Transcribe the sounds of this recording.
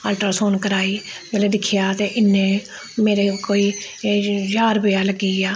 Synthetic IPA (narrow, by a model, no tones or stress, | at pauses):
aːlʈəɾsoːnkəɾaːiːbɛːleːd̪ɪkʰːɪjaːt̪eːʔɪnːẽː | meːɾekoːiː | d͡ʒaːɾbəjaːləɡːiːaː